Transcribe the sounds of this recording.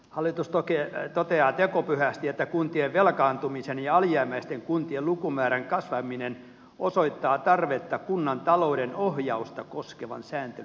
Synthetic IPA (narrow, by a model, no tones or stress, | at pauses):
hɑlːˑit̪ust̪oket̪ot̪eɑːt̪ekopyhæst̪iet̪ːækunt̪ieʋʋelkɑːnt̪umisenjɑɑljæːmːæist̪eŋkunt̪iellukumæːɾæŋkɑsʋɑminen | osoit̪ːɑːt̪ɑrʋet̪ːɑkunːɑnt̪ɑloudenohjɑust̪ɑkoskeʋɑ̰nsæːnt̪el